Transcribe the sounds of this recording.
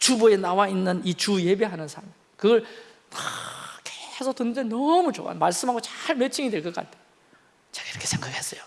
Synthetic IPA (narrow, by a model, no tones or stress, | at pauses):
t͡ɕuboenawainːɯnit͡ɕuje̞beɦanɯnsʰaɭmi | kɯɡʌɭ | akesʰʌtɯnːɯndenʌmut͡ɕo̰a̰nmaɭs͈ɯmɦaɡot͡ɕaɭmet͡ɕʰiŋidweɭk͈ʌk͈a̰ttʰe | t͡ɕḁɡaiɾʌkʰe̞sʰe̞ŋɡakhes͈ʌjo